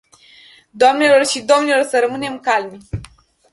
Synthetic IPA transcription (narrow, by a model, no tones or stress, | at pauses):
d̪oamne̞lo̞rʃid̪oamnelo̞rsəɾəmɨne̞mkalm